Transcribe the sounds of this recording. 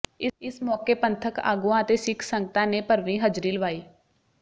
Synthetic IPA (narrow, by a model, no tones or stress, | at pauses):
ɪɪsmɔːkeːpənt̪ʰəka̰ːɡuãːət̪eːsɪkʰsə̃ŋɡət̪ãːneːpəɾʋĩːɦəd͡ʒɾiːləʋaːiː